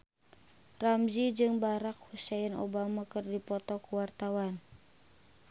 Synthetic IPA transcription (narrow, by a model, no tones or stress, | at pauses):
ramd͡ʒid͡ʒɨŋbaɾak̚husɛno̰bamakərdipɔt̪ɔkuwart̪awan